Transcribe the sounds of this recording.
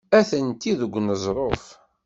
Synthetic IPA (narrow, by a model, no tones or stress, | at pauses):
æθənt̪iðəɡʷnəzˤɾˤof